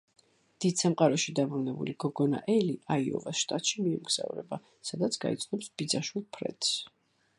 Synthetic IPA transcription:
d̪̥id̪̥samqʼaɾɔʃid̪abɾunɛbṵliɡɔɡɔna̰ʔɛliʔaiɔ̰vasʃt̪ʼat̪ʃimiumɡz̥a̰vɾɛba | sad̪at̪sʰɡait̪sʰnɔpsb̥id̪zaʃwilˠpʰɾɛ̰t̪s

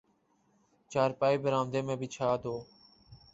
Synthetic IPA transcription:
t͡ʃaːɾpaːiːbəɾaːmd̪eːmẽːbʱiːt͡ʃʰaːd̪oː

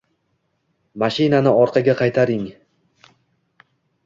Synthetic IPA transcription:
maʃɪnanɪɒɾqʰɑɡʲaqʰɑjt̪ʰaɾɪŋ

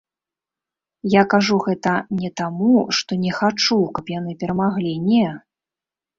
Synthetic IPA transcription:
jakaʐuɣɛt̪ɐnʲɛt̪amuʂt̪ɔnʲɛxat͡ʂukɐpjanɨpʲɛɾɐmaɣlʲinʲɛ

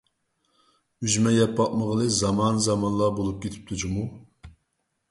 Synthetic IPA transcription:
yʒmɛjɛpːɑʔ̚məʁəlˠɨzɑmɑnzɑmɑnlˠɑbolˠup̚kʲet̪ʰɪ̥p̚t̪ʰud͡ʒumu

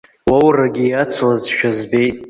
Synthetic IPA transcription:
wawraɡʲijat͡sʰlazʃᶣazbe̞jtʼ

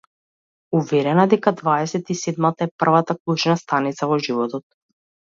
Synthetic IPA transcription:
uvɛɾɛnad̪ɛkad̪vaɛsɛt̪isɛd̪mat̪aɛpr̩vat̪aklˠut͡ʃnast̪anit̪savɔʒivɔt̪ɔt̪̚

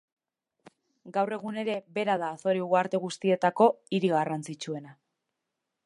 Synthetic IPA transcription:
ɡawre̞ɣ̞une̞ɾe̞βe̞ɾaðaːθo̞ɾiɣuaɾt̪e̞ɣ̞ust̪ie̞t̪ako̞iɾiɣarant͡sit͡ʃue̞na

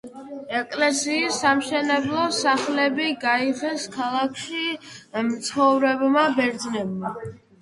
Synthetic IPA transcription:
ɛkʼlɛsiːsːamʃɛnɛblˠɔsaχlɛbiɡaiʁɛnskʰalˠakʰʃimt̪sχɔvɾɛbmabɛɾd̪znɛbma

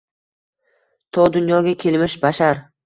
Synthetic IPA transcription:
t̪ʰɒd̪ʊnjɒɡʲakʲʰelmɪʃbaʃaɾ

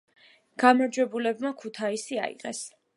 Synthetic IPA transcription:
ɡ̥amaɾd͡ʒwɛbulɛbmakʰut̪ʰaisia̰ḭqʼɛ̰s

